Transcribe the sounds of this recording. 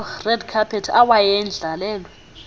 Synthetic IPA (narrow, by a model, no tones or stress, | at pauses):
rɛdkʰapʰɛtʰawajɛnd͡ɮʱalɛːlɔ